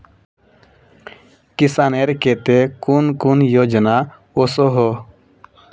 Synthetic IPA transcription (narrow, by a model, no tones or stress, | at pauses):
kisaːneɾket̪ekunkunjoːd͡ʒna | osoɦo